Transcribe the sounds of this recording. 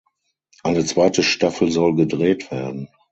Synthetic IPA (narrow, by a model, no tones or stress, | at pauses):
ʔaɪnət͡sv̥aɪtəʃtafl̩zɔlɡədʁeːtv̥eːɐdn̩